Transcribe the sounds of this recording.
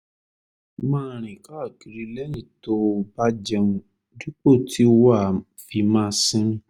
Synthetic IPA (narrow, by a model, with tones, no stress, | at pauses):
mãː˦˨ɾ̃ĩ˨ka˦˨ki˨˧ɾi˧lɛ˦nĩ˨to˧˦ba˦d͡ʒɛ˧ũ˧ | du˦k͡po˦˨ti˦o˧wa˦˨ | fi˧mã˦sĩ˦ĩ˦